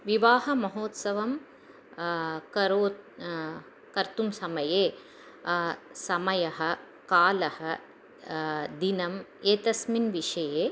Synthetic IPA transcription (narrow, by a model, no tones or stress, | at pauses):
ʋiʋaːɦɐmɐɦoːt̪sɐʋɐm | kɐɾoːt̪ | kɐɾt̪umsɐmɐjeː | sɐmɐjɐɦɐ̆ | kaːlɐhɐ | d̪inɐmeːt̪ɐsminʋiʂɐjeː